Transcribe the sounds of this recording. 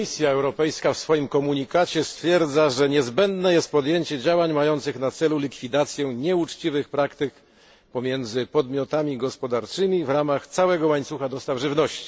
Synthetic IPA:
isʲjaɛwɾɔpɛjskafsfɔjimkɔmuɲikat͡ɕɛst̪fʲjɛɾd̪zaʐɛɲɛzbɛnd̪nɛjɛst̪̚pɔd̪jeɲt͡ɕɛd͡ʑawaɲmajɔnt̪sɘxnat̪sɛlulʲikfʲid̪at̪sʲjɛɲɛut͡ʂt͡ɕivɘxpɾakt̪ɘk | pɔmʲjɛnd̪zɘpɔd̪mʲjɔt̪amʲiɡɔspɔd̪aɾt͡ʂɘmʲivɾamaxt̪sawɛɡɔwaɲt̪suxad̪ɔst̪avʐɘvnɔɕt͡ɕi̥

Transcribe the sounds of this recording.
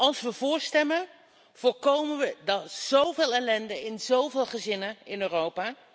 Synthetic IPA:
ɑlˠsʋəvʊːɹstɛmən | v̥ʊːɹkowməʋədɑtz̥owveːlˠɛlɛndəɪnzowvɪːlˠχəzɪnəɪnøːrowpaː

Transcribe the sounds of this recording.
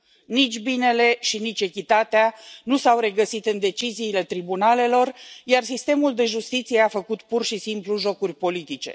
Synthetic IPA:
nit͡ʃʲbine̞le̞ʃinit͡ʃʲe̞kʲit̪at̪eanusawɾe̞ɡəsit̪ɨnd̪e̞t͡ʃiziːle̞t̪ɾibunale̞lo̞rjarsist̪e̞muld̪e̞ʒust̪it̪sije̞afəkut̪purʃisimpluʒo̞kurʲpo̞lit̪it͡ʃe̞̰

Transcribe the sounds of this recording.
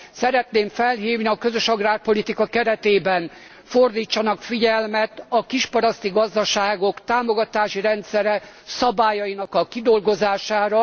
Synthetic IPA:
sɛɾɛt̪neːɱfɛlɦiːvniɒkøzøʃɒɡraːrpo̞lit̪ikɒkɛɾɛt̪eːbɛn | ford̪iːt͡ʃːɒnɒkfiɟɛlmɛt̪ɒkiʃpɒɾɒst̪iɡɒzd̪ɒʃaːɡo̞kt̪aːmo̞ɡɒt̪aːʃiɾɛnt̪sɛɾɛ | sɒbaːjɒjinɒkɒkid̪o̞lɡo̞zaːʃaːɾɒ

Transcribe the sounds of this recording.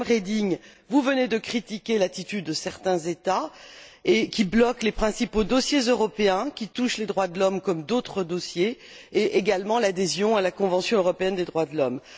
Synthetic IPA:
mʁed̪iŋ | vuvəned̪əkχit̪ikʲelat̪it̪yd̪ːəsɛʁt̪ɛ̃zet̪a | ekʲiblɔklepχɛ̃sipod̪ɔsjezøʁɔpeɛ̃kʲit̪uʃled̪ʁwad̪əlɔmkɔmd̪ot̪χəd̪osjeː | ʔeɡalmɑ̃lad̪ezjɔ̃alakɔ̃vɑ̃sjɔ̃øʁɔpeɛnd̪ed̪ʁwad̪əlɔm

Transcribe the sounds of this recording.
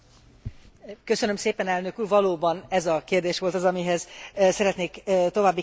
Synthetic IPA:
køsønømseːpɛnɛlnøkyːrvɒloːbɒnɛzɒkeːrd̪eːʃʋo̞lt̪ɒzɒmiɦɛzsɛɾɛt̪neːkːt̪o̞vaːbːi

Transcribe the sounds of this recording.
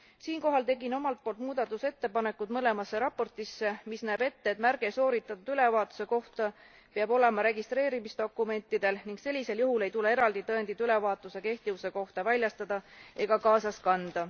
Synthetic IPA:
siːnko̞ɦɑlt̪e̞ɡino̞mɑlt̪̚po̞ːlt̪muːd̪̥ɑt̪ːˑuse̞t̪ːe̞pɑne̞kːˑud̪̥mɤle̞mɑsːe̞ɾɑpːo̞rt̪ˑisːe̞misnæːbe̞t̪ːeːt̪ːˑmærɡ̥e̞so̞ːɾit̪ːˑɑt̪ud̪̥yle̞vɑːt̪ːˑu̥se̞ko̞ht̪ɑ | peɑbo̞le̞mɑɾe̞ɡist̪re̞ːɾimisd̪̥o̞kːˑume̞nt̪ːˑid̪̥e̞lniŋɡ̥se̞lʲːise̞ljuɦule̞jt̪ule̞e̞ɾɑld̪̥it̪ɤend̪it̪yle̞vɑːt̪ːˑuse̞ke̞ht̪ivuse̞ko̞ht̪ɑvælʲjɑst̪ɑd̪̥ɑʔe̞ɡ̥ɑkɑːsɑskɑnd̪̥ɑ

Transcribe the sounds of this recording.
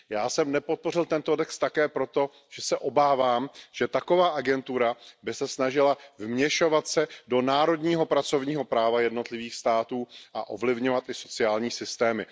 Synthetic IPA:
jaːsɛmnɛpo̞t̪̚po̞rɪlt̪ɛnt̪o̞dɛkst̪ːakɛːpɾo̞t̪o̞ | ʒ̥ɛsɛʔo̞baːvaːmʒ̥ɛt̪ako̞vaːʔaɡɛnt̪uɾabɪsɛsnaʒɪlavmɲɛʃo̞vat̪sɛdo̞naːɾo̞dɲiːɦo̞pɾat͡so̞vɲiːɦo̞pɾaːvajɛdno̞t̪lɪviːxst̪aːt̪uːʔaʔo̞̰vlɪvɲo̞vat̪ʔɪso̞t͡sɪaːlɲiːsɪst̪ɛːmɪ

